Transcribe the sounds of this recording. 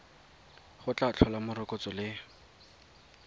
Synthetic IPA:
χʊt͡ɬʼat͡ɬʰɔlamʊrɪkot͡sɔlɪ

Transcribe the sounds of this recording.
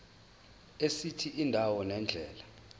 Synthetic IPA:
esitʰiindʱawɔnɛnd͡ɮʱɛːla

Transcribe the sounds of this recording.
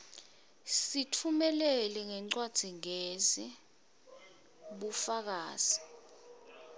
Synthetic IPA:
sitʰumɛlɛlɛŋɛǀwad̥z̥ʱiŋezi | ɓufak̬aːz̥i

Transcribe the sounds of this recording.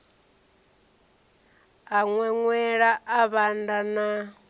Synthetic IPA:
aŋwɛŋwɛɺaʔaβandana

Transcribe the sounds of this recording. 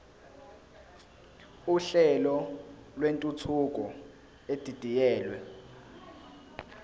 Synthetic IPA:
uɬɛlɔlwentʼutʰuk̬ʼɔ | ed̥ʱid̥ʱijɛːlwɛ

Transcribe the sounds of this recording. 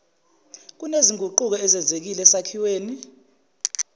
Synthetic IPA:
k̬uneziŋʱuǃuk̬ɔɛzɛnd͡zʱek̬ilɛsakʰiweːni

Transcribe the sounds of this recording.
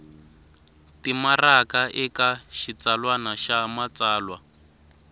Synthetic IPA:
timarakaʔɛkaʃit͡salwanaʃamat͡saːlwa

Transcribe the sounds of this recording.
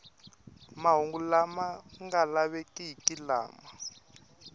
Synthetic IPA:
maɦuŋɡulamaŋɡalaβɛkʼiikʼila̰ːma

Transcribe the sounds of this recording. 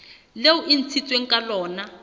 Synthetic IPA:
leuʔin̩t͡sʰit͡sʼweŋ̩kʼalɔːna

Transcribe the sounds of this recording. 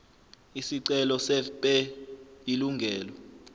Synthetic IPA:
isiǀɛlɔsɛpʼɛ | iluŋɡʱɛːlɔ

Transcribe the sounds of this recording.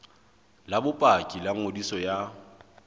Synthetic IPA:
labʊpʼakʼilaŋ̩odisɔja

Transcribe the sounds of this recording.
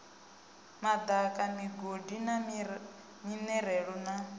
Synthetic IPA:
mad̪akʼamiɡodina | minɛɾɛɺɔna

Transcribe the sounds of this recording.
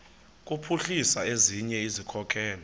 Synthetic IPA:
k̬ʼupʰuɬisaeziɲɛizikʰɔkʰɛːlɔ

